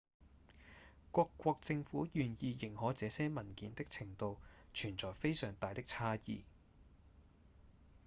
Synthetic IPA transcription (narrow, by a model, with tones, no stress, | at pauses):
kʷɔː˧kːʷɔː˧k̚t͡sɪ˧ŋfuː˨˥jyː˨˩njiː˧jɪ˨˩ŋhɔː˨˥t͡sɛː˨˧˥sɛː˥mɐ˨˩nkiː˨˥nt̪ɪ˥k̚t͡sʰɪ˨˩ŋt̪o˧wt͡ʃʰyː˨˩nt͡sɔː˨jfe˥jsœː˨˩ŋt̪aː˨˧jt̪ɪ˥k̚t͡sʰaː˥jḭː˨˧